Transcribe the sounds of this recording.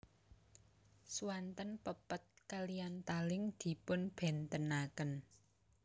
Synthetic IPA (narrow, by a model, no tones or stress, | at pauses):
suwant̪ənpəpət̪̚kalijant̪alɪŋd̪̥i̤pʊnb̥ɛ̤nt̪ənakən